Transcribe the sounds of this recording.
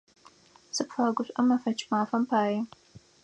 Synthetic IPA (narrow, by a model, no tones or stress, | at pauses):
sɨpfɐɐɡʷʊɕʷʼʔɐmɐfɐt͡ʃʰʼmaːfɐmpʰaːji